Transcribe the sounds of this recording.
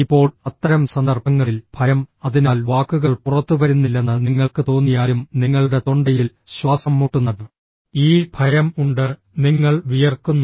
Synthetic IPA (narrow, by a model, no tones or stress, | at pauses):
ipːo̞ːɭɐt̪ːɐɾɐmsɐnd̪ɐrbʱɐŋːɐɭilb̥ʱɐɾɐmɐðinaːlʋaːkːuɣɐɭpurɐt̪ːuʋɐɾunːilːe̞nːɨniŋːɐɭkɨt̪o̞ːnːijaːjumniŋːɐɭuɽe̞t̪o̞ɳɖɐjil | ɕwaːsɐmːuːʈːunːɐðɨ | iːbʱɐɾɐmuɳɖɨ | niŋːɐɭʋijɐrkːunːu